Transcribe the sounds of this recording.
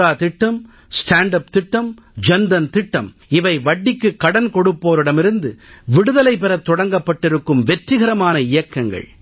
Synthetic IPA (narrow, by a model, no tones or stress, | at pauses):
aːt̪ɪʈːɐm | sʈaːɳɖɐpt̪ɪʈːɐm | d͡ʒɛnd̪ɐnt̪ɪʈːɐ̰m | ɪʋɐɪʋɐɖːɪkːɯkːɐɽɐnkɔɽɯpːoːɾɯɽɐmɪɾɯnd̪ɯʋɪɽɯðɐlɐɪpɛɾɐt̪ːɔɽɐŋɡɐpːɐʈːɪɾɯkːɯmʋɛʈrɪɣɐɾɐmaːnɐɪjɐkːɐŋɡɐ̰ɭ